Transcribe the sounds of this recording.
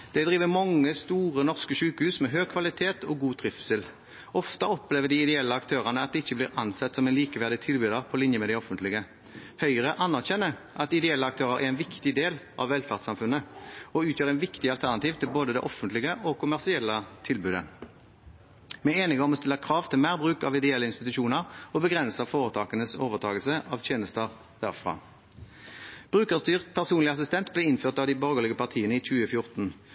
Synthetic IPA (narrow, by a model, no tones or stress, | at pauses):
d̪̥ɛd̪ʁiːʋəmɑŋːəst̪uːʁənɔʁskəʃʉːkəhʉːsmɛɦøːkʰʋɑlɪt̪ʰeːt̪ʰɔɡuːt̪ʁɪfsəl | ɔft̪ɑɔpleːʋəɖ̪ɪɪd̪ɛɛlːəɑkt̪ʰøːʁənəɑt̪̚d̪ɛɪçːəblɪɾɑnsɛt̪ːsɔmɛnliːkəʋæʁd̪ɪt̪ʰɪlbʉːd̪əʁpʰɔlɪnjəmɛd̪ɪɔfənt̪lɪɡə | hœʏʁəʔɑnːæʁɕɛnːə | ʔɑt̪ɪd̪ɛɛlːəɑk̚t̪ʰøːʁəɾʔæ̰ɾɛɪnʋɪkt̪ɪd̪eːlʔɑ̰ʋːɛlfæʁd̪sɑmfʉnːəɔʉːt̪jøːʁɛnʋɪkt̪ɪɑlt̪ʰæʁnɑt̪iːʋt̪ʰɪlboːd̪əd̪ɛ̰ʔɔfənt̪lɪɡəʔɔkʊmæʁsɪɛlːət̪ʰɪlbʉːd̪ə̰ | mɛeːnɪɡɔmɔst̪ɪlːəʁkʰʁɑːʋt̪ʰɪlmæːʁbʁʉːkɑʋɪd̪ɛɛlːəɪnst̪ɪt̪ʉʃuːnəʁɔbəɡʁɛnsəfoːʁət̪ʰɑːkənəsoːʋəʁt̪ʰɑːɡəlsəʔɑʋt̪ʰjeːnəst̪əʁ | d̪̥æ̰ʁfʁɑ̰ː | b̥ʁʉːkəʁst̪yːʁt̪pʰæʁsuːnlɪɑs̬ɪst̪ɛnt̪blɛːɪnføːʁt̪ɑːʋd̪iːbɔʁɡəlɪɡəpɑʁt̪ʰiːənəiːçʉːəfjʊʁt̪n̩